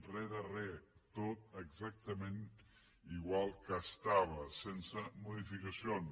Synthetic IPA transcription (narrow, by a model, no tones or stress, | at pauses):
rɛðərɛt̪ot̪əɡzak̚t̪əmẽn | iɣwalˠkəːst̪aβəsensəmuðifikəsion